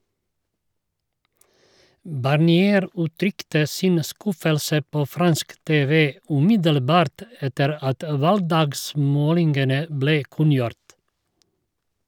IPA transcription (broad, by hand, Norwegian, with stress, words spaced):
bɑɾˌniːˈeːɾ ʉːˈtɾʏktə ˈsɪn ˈskʉfəlsə ˈpoː ˈfɾɑnsk ˈteːʋə ʉːˈmɪdəlˌbɑːɾt ˈɛtəɾ ˈɑt ˈʋɑlɡˌdɑːɡˌsmoːlɪŋɡənə ˈbleː ˈkʉnjʊɾt